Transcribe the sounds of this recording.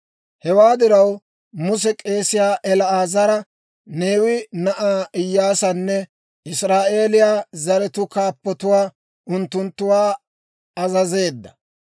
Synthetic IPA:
hɛwaːd̪ɪɾɐw | mʊsɛkʼe̞ːsɪjaːʔɛlɐaːzɐɾɐ | ne̞ːwɪnɐʔaːɪjːaːsɐnːɛ | ɪsɾaːʔe̞ːlɪjaːzɐɾɛt̪ʊkaːpːɔt̪ʊwaː | ʊnt̪ːʊnt̪ːʊwaː | ɐzɐze̞ːd̪ːɐ̥

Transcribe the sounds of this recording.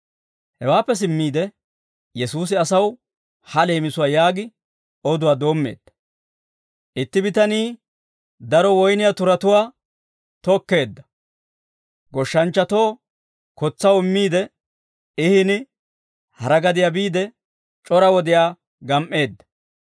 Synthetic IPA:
hɛwaːpːɛs̬ɪmːiːd̪ɛ | jɛsuːs̬ɪɐsɐw | hɐle̞ːmɪsʊwaːjaːɡɪ | ɔd̪ʊwaːd̪o̞ːmːḛːd̪̥ːɐ̥ | ʔɪt̪ːɪbɪt̪ɐniː | d̪ɐɾɔwɔjnɪjat̪ʊɾɐt̪ʊwaː | t̪ɔkːe̞ːd̪ːɐ̥ | ɡɔʃːɐnt͡ʃːɐt̪o̞ː | kɔt͡sːɐwɪmːiːd̪ɛ | ɪhɪnɪ | hɐɾɐɡɐd̪ɪjaːbiːd̪ɛ | t͡ʃʼɔɾɐwɔd̪ɪjaː | ɡɐmʔːe̞ːd̪ːɐ̥

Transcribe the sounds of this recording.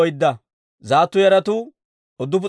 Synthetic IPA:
ɔjɪd̪ːɐ | zaːt̪ːʊjɛɾɐt̪ʊ | ɔd̪ʊp̬ʊ

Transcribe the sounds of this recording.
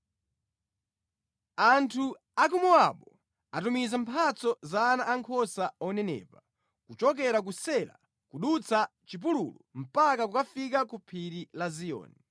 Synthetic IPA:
antʰu | ak̬umɔwaɓɔ | atumizampʰat͡sɔzanaʔːŋkʰɔsaɔnɛnɛ̰ːpa | kut͡ʃɔk̬ɛɾak̬usɛla̰ | kuɗut͡sʰat͡ʃip̬ulṵlum̩pakakukafik̬akupʰiɾilazijɔ̰ːni

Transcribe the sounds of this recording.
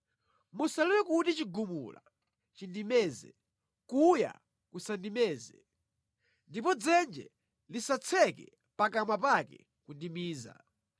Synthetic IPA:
musalɛwɛkutit͡ʃiɡumṵla̰ | t͡ʃindimɛːzɛ̰ | kuja̰ | kusandimɛːzɛ | ndipɔd͡zɛnd͡ʒɛ̰ | lisat͡sʰɛkɛ | pakamwapakɛ̰ | kundimiːza̰

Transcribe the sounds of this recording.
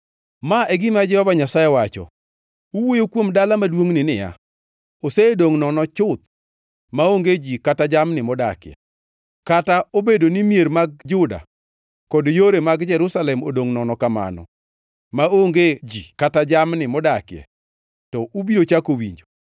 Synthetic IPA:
maʔɛɡɪmad͡ʒɛhɔvaɲasajɛwat͡ʃɔ̰ | uwojokwomdalamadwoŋnɪnɪja̰ | oseedoŋnɔnɔt͡ʃʊt̪̚ | maoŋɡed͡ʒikatad͡ʒamnɪmɔdakɪjɛ̰ | kataobedonimjeɾmaɡ̚d͡ʒʊda̰ | kɔdjoɾemaɡd͡ʒɛɾʊsalɛmo̰doŋnɔnɔkama̰nɔ̰ | maoŋɡed͡ʒikatad͡ʒamnɪmɔdakjɛ̰ | tɔʔubiɾot͡ʃakowḭɲd͡ʒo

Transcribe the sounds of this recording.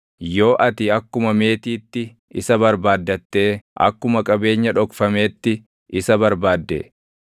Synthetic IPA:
jo̞ːʔɐt̪ɪɐkːʊmɐme̞ːt̪iːt̪ːɪ | ɪsɐbɐɾbaːd̪ːɐt̪ːe̞ːʔɐ̰kːʊmɐkʼɐbe̞ːɲːɐᶑɔkfɐme̞ːt̪ːɪ | ɪsɐbɐɾbaːd̪ːɛ̰

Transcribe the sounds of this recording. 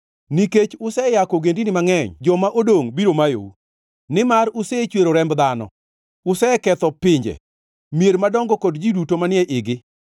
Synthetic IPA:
niket͡ʃʊsɛjakɔɡendinɪmaŋɛɲd͡ʒɔmaʔodoŋbiɾomajo̰u | nɪmarʊset͡ʃweɾoɾɛmbd̪anɔ̰ | ʊsɛkɛt̪ɔpɪɲd͡ʒɛ̰ | mijeɾmadɔŋɡɔkɔdd͡ʒidutomanɪɛʔɪɡɪ

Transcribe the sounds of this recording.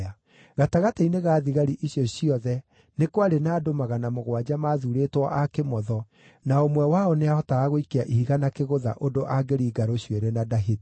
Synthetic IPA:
a | ɣataɣateineɣaːðiɣaɾiʔiɕjɔɕiɔðɛ | nekwaɾenaːdomaɣanamoɣwad͡ʒamaðuɾetwɔʔakemɔðɔ | naomwɛwaɔneahɔtaːɣoikeaʔihiɣanakeɣoða̰ʔodoʔaɡeɾiːɡaɾoɕweɾɛnadaɦit

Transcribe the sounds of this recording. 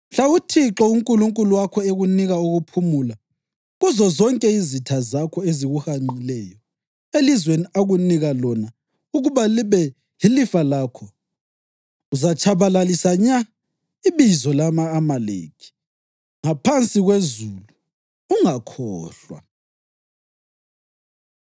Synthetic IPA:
m̩ɬautʰiǁɔuŋkʼuluŋkʼuluwakʰɔeɣuniɣauɣupʰumula | ɣuzɔzɔŋkʼɛizitʰazakʰɔeziɣuhamilɛjɔ | elizweniaɣuniɣalɔna | uɣuβaliβɛ | ɦilifalakʰɔ | uzat͡ʃʰʼaβalalisaɲa | iβizɔlamaːmalḛːkʰi̥ | ŋapʰant͡sʼiɣwezulu | uŋakʰɔːɬwa̰

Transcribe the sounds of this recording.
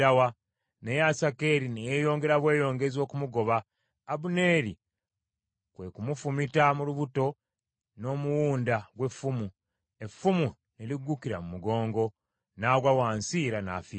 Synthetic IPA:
awa | ne̞jasake̞ɾinejejo̞ːŋɡe̞ɾaβwe̞ːjo̞ːŋɡe̞zo̞ːkumuɡo̞βaː | βune̞ːɾi | kwe̞kumufumitamuluβuto̞ | no̞ːmuwuːndaɡwe̞fːumu | e̞fːumu | neliɡukiɾamumuɡo̞ːŋɡo̞ | naːɡwawaːnsiːɾana̰ːfi

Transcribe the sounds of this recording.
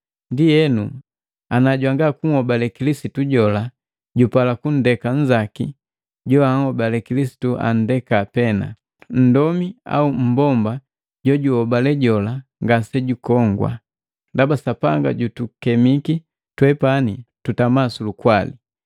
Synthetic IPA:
ndijɛnu | anaɟwaŋɡakuŋ̩hɔbalɛkilisituɟɔla | ɟupalakun̩dɛkaɲ̩d͡ʒakḭ | ɟɔaŋhɔbalɛkilisi̥tuʔa̰n̩dɛkapɛna̰ | n̩dɔmia̰um̩bɔmba | ɟɔɟuhɔbalɛɟɔlaŋɡasɛɟukɔŋɡwa̰ | ndabasapa̰ŋɡa̰ɟutukɛmiki | twɛpanitutamasulukwalḭ

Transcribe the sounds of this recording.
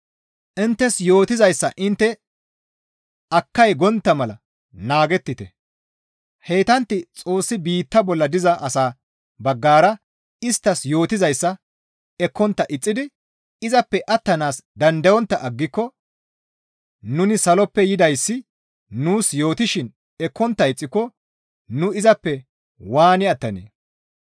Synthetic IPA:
ʔɪnt̪ːɛsjo̞ːt̪ɪzɐjsːɐʔɪnt̪ːɛ | ɐkːɐjɡɔnt̪ːɐmɐlɐ | naːɡɛt̪ːɪt̪ɛ | he̞ːt̪ɐnt̪ːɪt͡sʼo̞ːsːɪbiːt̪ːɐbɔlːɐd̪ɪzɐʔɐsaː | bɐɡːaːɾɐ | ɪst̪ːɐsjo̞ːt̪ɪzɐjsːɐ | ɛkːɔnt̪ːɐʔɪt͡sʼːɪd̪ɪ | ɪzɐpːɛʔɐt̪ːɐnaːsd̪ɐnd̪ɐjwɔnt̪ːɐʔɐɡːɪkːɔ | nʊnɪsɐlɔpːɛjɪd̪ɐjsːɪ | nuːsjo̞ːt̪ɪʃɪn | ɛkːɔnt̪ːɐɪt͡sʼːɪkːɔ | nʊɪzɐpːɛ | waːnɪɐt̪ːɐnḛː

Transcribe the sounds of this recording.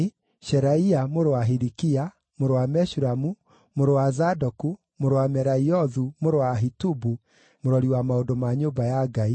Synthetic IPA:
ʃɛɾaiamoɾowaɦiɾikia | moɾowamɛʃuɾamu | moɾowazadɔku | moɾowamɛɾaiɔðumoɾowaɦitubu | moɾɔɾiwamaondomaɲoːbajaɡai

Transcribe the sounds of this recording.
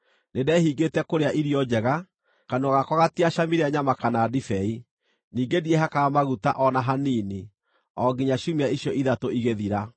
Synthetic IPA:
nedɛhiɡetɛkoɾeaʔiɾiɔd͡ʑɛɣa | kanoɣakɔɣatiaʃamiɾeaɲamakanaːdifɛi | niːŋɡediɛɦakamaɣuta̰ʔɔnaɦanini | ɔɡiɲaɕumiaiɕjɔiðatoiɣeðiɾa

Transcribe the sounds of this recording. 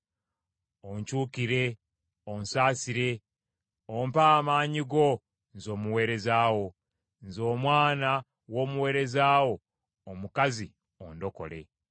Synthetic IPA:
oɲcuːkiɾe̞ | onsaːsiɾe̞ | ompaːmaːɲiɡo̞ | nzo̞ːmuwe̞ːɾe̞zaːwo̞ | nzo̞ːmwaːna | wo̞ːmuwe̞ːɾe̞zaːwo̞ː | mukazi | ondo̞ko̞̰le̞̰

